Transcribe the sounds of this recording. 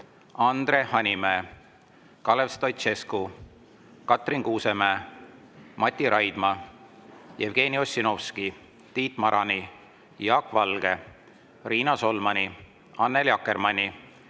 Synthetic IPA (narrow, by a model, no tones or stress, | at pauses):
ɑnd̪re̞hɑnʲimeː | kɑlevst̪ojt̪t͡ʃe̞sku | kɑt̪riŋkuːse̞meː | mɑt̪ʲːˑiɾʔɑjd̪̥mɑ | jevɡ̥e̞ːnio̞sʲːino̞fski | t̪iːt̪mɑɾʔɑni | jɑːkvɑlɡ̥e̞ | riːnɑso̞lmɑnʲi | ɑnːeljɑkːe̞ɾmɑnʲi